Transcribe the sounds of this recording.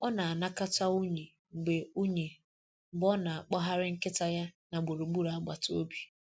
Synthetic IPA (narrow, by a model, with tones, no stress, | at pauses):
ɔ˦na˨a˨na˦ka˦ta˦u˦ɲe˨ | ŋ͡m̩˨ɡ͡be˨u˦ɲe˨ | m̩˨ɡ͡bɔ˦na˨a˨k͡pɔ˦ɦa˦ɾɪ˦ŋ̩˦kɪ˦ta˦ja˦na˨ɡ͡bo˨ɾu˨ɡ͡bu˦ɾa˨˦ɡ͡ba˨to˦bi̥˨